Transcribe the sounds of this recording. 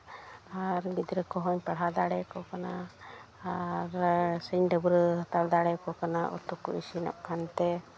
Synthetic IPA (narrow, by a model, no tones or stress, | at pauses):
aɾɡid̪ɾɛkɔɦɔɲpaɽ̤ɦad̪aɽɛkɔkanaː | ɾsəɲɖəbuɾt̪aɾd̪aɽɛkɔkanaʔɔ̰t̪ukːɔ̰ḭsina̰ʔ̚kʰant̪ɛ